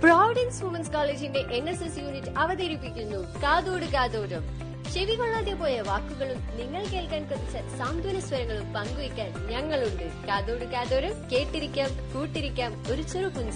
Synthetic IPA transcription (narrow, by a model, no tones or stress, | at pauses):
praːʋɐɖinsʋumɐnskaːleːd͡ʑinde̞ʔenːɐsesjuːnitːɨɐʋɐðeːɾipːikʲːunːukaːðoːɽukaːðoːɾɐm | ɕeʋikoɭːaːðepo̞ːjeʋaːkːuɣɐɭumniŋːɐɭke̞ːɭkaːnkɐðit͡ɕːɐsaːnd̪ʱʋɐnɐsʋɐɾɐŋːɐɭumpɐŋɡuʋikʲːaːnɲɐŋːɐɭuɳɖɨkaːðoːɽukaːðoːɾɐmke̞ːʈːiɾikʲːaːmkuːʈːiɾikʲːaːmo̞ɾut͡ɕerupːuɲd͡ʑɐ